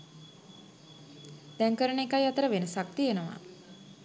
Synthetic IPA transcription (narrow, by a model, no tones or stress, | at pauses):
d̪̥æŋkəɾəɳekajat̪əɾəʋenəsak̚t̪ijenəʋa̰